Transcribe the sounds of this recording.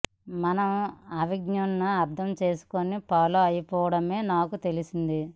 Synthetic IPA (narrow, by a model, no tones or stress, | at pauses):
mɐnɐmɐʋiɡnɐnnuɐɾd̪ʱɐmt͡ʃe̞ːsu̥konipaːloːɐjɐpɔːʋɐɽɐme̞ːnaːkut̪e̞lisind̪i